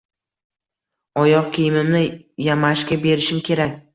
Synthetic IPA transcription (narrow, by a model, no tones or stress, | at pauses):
ɒjɒqkʲʰejɪmɪmnɪjamaʃkʲabe̞ɾɪʃɪmkʲʰe̞ɾakʲ